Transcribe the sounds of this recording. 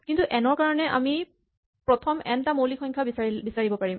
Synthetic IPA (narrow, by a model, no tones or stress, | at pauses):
kintuʔɛnɔɹkaɹɔnɛʔa̰mi | pɹɔtʰɔmɛntamolixɔŋkʰabsabisaɹibɔpaɹim